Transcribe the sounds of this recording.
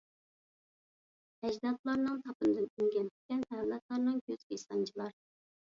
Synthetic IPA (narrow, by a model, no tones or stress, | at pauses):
ɛd͡ʒd̪ɑt̪lˠɑɾnɨŋt̪ʰɑpɨnɨd̪ɨnyŋɡʲɛnt̪ʰɪkʲɛnt̪ɛlɛt̪lˠɑɾnɨŋkʲʰøz̥kʲisɑnt͡ʃʰilˠɑɾ